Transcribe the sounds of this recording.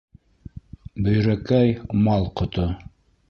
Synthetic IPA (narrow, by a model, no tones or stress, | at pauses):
bɵ̆jɾækæjmɑlˠqŏt̪o